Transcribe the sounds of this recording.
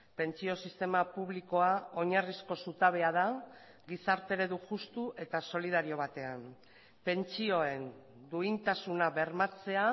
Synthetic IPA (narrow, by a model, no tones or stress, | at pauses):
pe̞nt͡sio̞sist̪e̞mapuβ̞liko̞ao̞ɲarisko̞sut̪aβe̞að̞a | ɡisaɾt̪e̞ɾe̞ðuʝust̪uʔe̞t̪aso̞liðaɾio̞β̞at̪e̞an | pe̞nt͡sio̞e̞n | d̪uint̪asunaβe̞ɾmat͡se̞a